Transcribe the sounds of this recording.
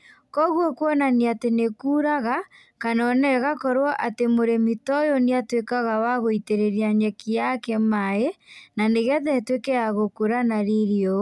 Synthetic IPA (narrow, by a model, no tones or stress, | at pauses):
kɔɣwɔkwɔnaneatenekuːɾaɣa | kanɔnɛɣakɔɾwɔʔatemoɾemitɔjɔniatwekaɣawaɣoiteɾeɾiaɲɛkijakɛmaenaneɣɛðɛtwekɛaɣokoɾanaɾeɾiɔ